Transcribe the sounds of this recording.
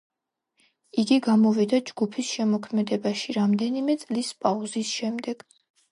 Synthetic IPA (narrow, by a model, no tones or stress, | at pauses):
iɡiɡamɔvid̪ad͡ʒɡ̥upʰisʃɛmɔkʰmɛd̪ɛbaʃiɾamd̪ɛnimɛt̪sʼlispʼauzisʃɛmd̪ɛɡ̥